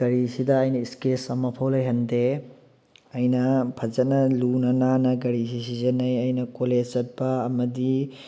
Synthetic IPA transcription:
ɡɐɾisidɐːjnɐiskesɐmɐpʰɐwlɐjɦɐnde | ɐjnɐpʰɐzɐt̚nɐlunɐnanɐɡɐɾis̬is̬izɐnɐjɐjnɐkoled͡ʒzɐt̚bɐːmɐdi

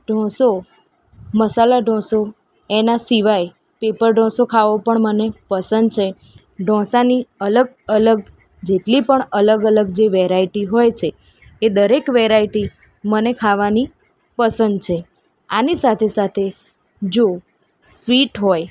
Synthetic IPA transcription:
ɖʱɔ̃so | məsalaɖʱɔ̃so | enasiʋaj | pepəɾɖʱɔ̃sokʰaʋopəɳmənepəsənd̪̚t͡ʃʰe | ɖʱɔ̃saniələɡ̚ | ələɡ̚ | d͡ʒeʈlipəɳələɡələɡd͡ʒeʋeɾaiʈiɦojt͡ʃʰeː | d̪əɾekʋeɾaiʈi | mənekʰaʋani | pəsənd̪̚t͡ʃʰe | anisat̪ʰesat̪ʰe | d͡ʒo | sʋiʈɦoj

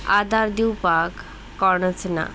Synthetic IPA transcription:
ad̪aɾd̪iwpakː | ɔɾnat͡sʰena̰

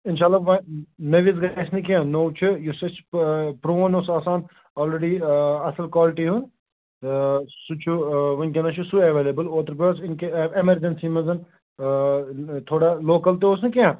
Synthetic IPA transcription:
ɪnʃaːlːaːʋɐ̃nɐʋis̬ɡasnikeãnoːwt͡ʃʰujusɐt͡ʃʰpɾoːnosaːsaːn | ɔːlɾeɖiɐsəlkwaːlɪʈiɦũn | sut͡ʃʰuʋɐnkʲenɐt͡ʃʰusuɐʋeːlebəloːt̪əɾpɾosɪnkeɪmɐɾd͡ʒɐnsimɐzɐn | t̪ʰoːɽaloːkɐlt̪eoːsnikeãː

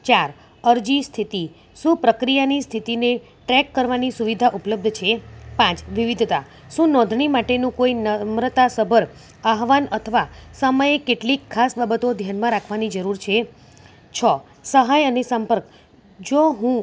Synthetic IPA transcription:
t͡ʃaɾ | əɾd͡ʒist̪ʰit̪i | ʃũpɾəkɾijanist̪ʰit̪ine | ʈɾɛkːəɾʋanisuʋid̪ʱaʔupləb̚d̪ʱt͡ʃʰepãt͡ʃʋiʋid̪ʱt̪a | ʃũnɔ̃d̪ʱɳimaʈenũkoinəmɾət̪asəbʱəɾ | aɦʋanət̪ʰəʋasəməjekeʈlikʰːasbabət̪od̪ʱjanmãɾakʰʋanid͡ʒəɾuɾt͡ʃʰe | t͡ʃʰə | səɦajənesəmpəɾk | d͡ʒoɦũ

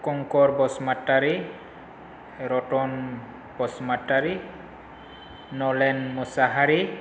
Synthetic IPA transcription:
kɔŋkɔɹbɔsmatːaɾi | ɾɔʈɔn | b̥ɔsmataɹi | nɔlɛnmusaɦaɾi

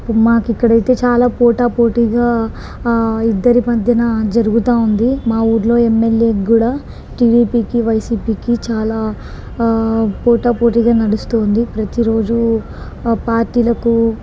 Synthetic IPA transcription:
maːkikːɐɽɐjt̪e̞ːt͡ʃaːlaːpoːʈaːpoːʈiɡaː | id̪ːɐɾimɐd̪ʱjɐnad͡ʒɐɾuɡut̪aːund̪imaːuːɾlo̞ːemːe̞lje̞ːɡuːɽaː | ʈiːɖiːpiːkiʋɐjsiːpiːkit͡ʃaːlaː | poːʈaːpoːʈ̬iːɡaːnɐɽust̪oːnd̪ipɾɐt̪iɾo̞ːd͡ʒu | paːɾʈiːlɐku

